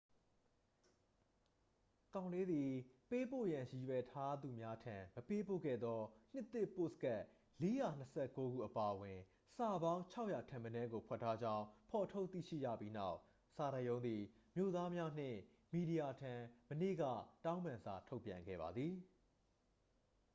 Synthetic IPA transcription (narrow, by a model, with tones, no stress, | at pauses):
kã˨ʊ̃nle˦d̪i˨pe˦po̰˦˨jã˨ji˨wɛ˨tʰa˦d̪u˨mja˦tʰã˨məpe˦po̰˦˨ɡɛ̰˦˨d̪ɔ˦n̥ɪ˦t̪ːɪ˦ʔpo̰˦˨sə̥ka˦˨ʔ | le˦ja˨n̥əsʰɛ˦ʔko˦ɡṵ˦˨ʔəpa˨ʔəwɪ̃˨ | sa˨bã˦ʊ̃t͡ɕʰa˦ʊʔja˨tʰã˨mənɛ˦ɡo˨pʰwɛ˦˨tʰːa˦d͡ʑã˦ʊ̃pʰɔ˨tʰo˦ʊt̪ːḭ˦˨ʃḭ˦˨d͡ʑä̰˦˨pji˦na˦ʊʔ | sa˨ɾa˨jõ˦ʊ̃nd̪i˨ | mjo˦˨d̪a˦mja˦n̥ɪ̰̃˦˨ | mi˨ɾi˨ja˨tʰã˨mənḛ˦˨ɡä̰˦˨tã˦ʊ̃mã˨nza˨tʰo˦ʊpjã̰˨ŋɡɛ̰˦˨ba̰˨d̪ði˨